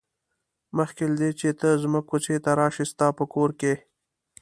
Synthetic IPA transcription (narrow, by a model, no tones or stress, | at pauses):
məxkelad̪et͡ʃet̪əzməkːut͡ʃet̪aɾɑʃist̪ɑpəkoɾke